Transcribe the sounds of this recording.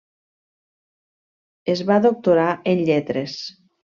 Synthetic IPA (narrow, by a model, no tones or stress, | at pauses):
ezβaðok̚t̪oɾaʔenʎɛt̪ɾes